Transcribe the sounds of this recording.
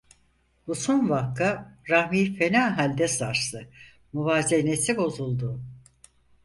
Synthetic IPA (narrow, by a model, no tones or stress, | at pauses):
busonvakʰːaɾahmiːfenaːɦalʲd̪ɛsaɾst̪ɯ | muvaːzenesibo̞zulˠd̪ʊ